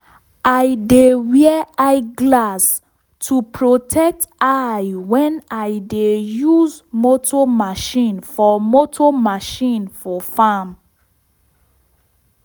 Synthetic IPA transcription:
aɪdewɛɛaɪɡlas | tʰupʰɹotʰɛk̚tajwɛ̃naɪdejuzmotʰɔmaʃĩnfɔmotʰɔmaʃĩnfɔfam

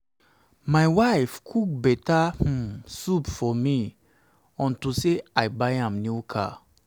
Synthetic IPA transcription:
majwaɪfkʰuk̚bɛtah̩supfɔmi | ɔ̃ntuseaɪbajãmnjukʰa̰

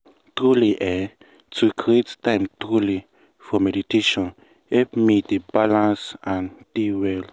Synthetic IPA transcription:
tɹuliʔɛ | tukɹettãɪmtɹuli | fɔmɛditeʃɔ̃n | ɛpmidebalãnsãndiwɛl

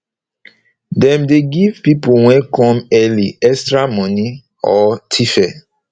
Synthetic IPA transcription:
dɛ̃mdeɡivpipuwɛ̃kɔ̃mɛliɛstɹamɔ̃ni | ɔtʰifɛ

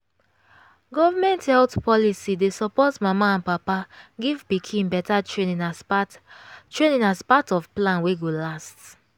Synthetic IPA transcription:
ɡɔvamɛ̃nthɛltpʰɔlisidesɔpɔtmamaãnpapaɡivpikʰĩnbɛtaenĩn | tɹenĩnaspatɔvplãnweɡolast

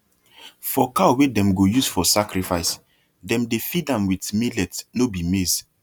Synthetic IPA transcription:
fɔkawedɛ̃mɡojusfɔsakɾifaɪs | dɛ̃mdefidãmwitmilɛtnobimez

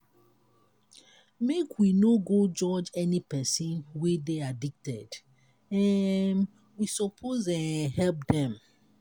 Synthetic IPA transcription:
mekʰwinoɡod͡ʒɔd͡ʒɛnipɛsĩnwedeadik̚tɛd̥ | ɛn | wisɔpʰozɛ̃hɛlp̚dɛ̃m

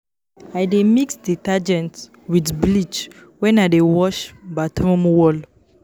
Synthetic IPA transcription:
ajdemiksdetad͡ʒɛ̃nt | widblit͡ʃ | wɛ̃nadewɔʃbatɹɔ̃mwɔl

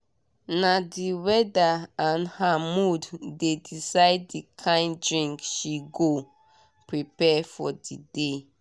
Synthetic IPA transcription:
nadiwɛdaãnhamuddedisaɪd̚ːikʰãɪ̃ndɹĩŋkʃiɡo | pɹipɛfɔdide

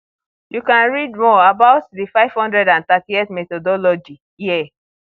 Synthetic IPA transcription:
jukãnɹidmɔabaʊtðifaɪv̥hɔ̃ndɹɛdãnt̪atietmɛtɔdɔlɔd͡ʒi | jɛ

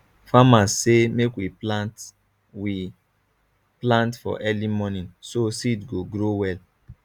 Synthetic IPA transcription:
famassemekwiat | wi | plãntfɔ̰ʔɛlimɔnĩnsosidɡoɡɾowɛl

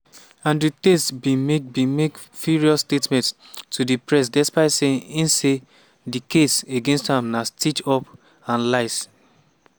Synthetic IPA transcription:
ãnditestbĩmebĩmekfuɹiɔstetmɛ̃ntʰ | udipɹɛs̬dɛspaɪtseĩnse | dikeseɡẽnsthãmnastit͡ʃɔp | ãnlaɪs

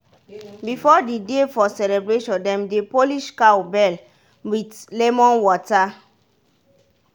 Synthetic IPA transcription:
bifɔdidefɔsɛlebɹeʃɔ̃ndɛ̃mdepoliʃkawbɛl | witlɛmɔ̃nwɔta

